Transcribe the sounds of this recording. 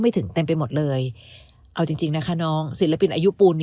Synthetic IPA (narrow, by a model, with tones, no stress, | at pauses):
ma˥˩jt̪ʰɯ˩˦ŋt̪e˧mp̬a˧jmo˨˩t̪̚lɤː˧j | ʔa˧wt͡ɕi˧ŋt͡ɕi˧ŋna˦˥kʰa˦˥˩nɔː˦˥ŋsi˨˩˦la˧pi˧nʔaː˧ju˦˥puː˧nːi˦